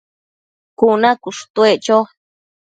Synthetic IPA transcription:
kunãkuʂu̥t̪ueʔt͡ʃo

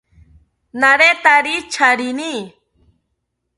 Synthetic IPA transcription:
naɾet̪aɾit͡ʃʰaɽini

